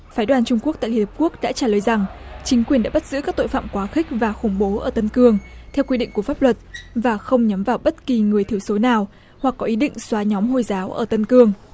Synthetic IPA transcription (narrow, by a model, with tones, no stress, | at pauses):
faː˨˦jɗwaː˨˩nt͡ɕʊ˧ŋ͡mku˥k̚t̪a̰ː˧˨li˧˨hə˨˩p̚ku˦˥ək̚ɗa̰ː˧˥t͡ɕaː˧˩ləː˨˩jza˨˩ŋt͡ɕï˨˦ŋ̟kwi˩ənɗa̰ː˧˥ɓa˦˥t̚z̥ɨ̰˧˥kaː˦˥k̚t̪o̰˧˨fa̰ː˧˨mkwaː˨˦xï˦˥k̟̚vaː˨˩xʊ˧˩ŋ͡mɓo˨˦ʔəː˧˩t̪ə˧nkɨ˧əŋt̪ʰɛ˧wkwi˧ɗḭ˧˨ŋ̟ku˧˩əfaː˦˥p̚lwə˨˩t̚vaː˨˩xə˧wŋ͡mɲə˨˦mvaː˨˩wɓə˦˥t̚ki˨˩ŋɨ˨˩əjt̪ʰi˧˩əwso˨˦naː˨˩w | hwa˨˩kːɔ˨˦ʔi˨˦ɗḭ˧˨ŋ̟swaː˨˦ɲɔ˨˦mɦo˧˩jzaː˨˦wʔə̰ː˧˩t̪ə˧nkɨ˧əŋ